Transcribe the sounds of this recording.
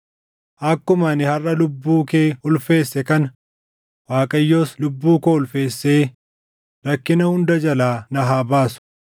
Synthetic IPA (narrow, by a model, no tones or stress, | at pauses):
ʔɐkːʊmaːnɪhɐrːɐlʊbːuːkeːhʊlfe̞ːsːɛkɐnɐ | waːkʼɐjːo̞ːslʊbːuːkoːhʊlfe̞ːsːe̞ː | ɾɐkːɪnɐhʊnd̪ɐd͡ʒɐlaːnɐɦaːbaːsʊ̥